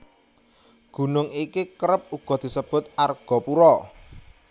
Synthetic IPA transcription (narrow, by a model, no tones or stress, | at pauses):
ɡ̥ṳnʊŋikikəɾəp̚uɡ̥ɔ̤d̪̥i̤səb̥ʊ̤t̪̚arɡ̥ɔ̤puɾɔ